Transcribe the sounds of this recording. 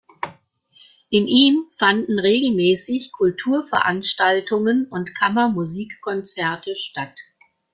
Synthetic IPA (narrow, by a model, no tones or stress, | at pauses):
ʔɪnʔiːmfandn̩ʁeːɡl̩mɛːsɪçkʰʊltʰuːɐfɛɐʔanʃtaltʰʊŋənʊntkʰamɐmuziːkːʰɔnt͡sɛɐtʰəʃtat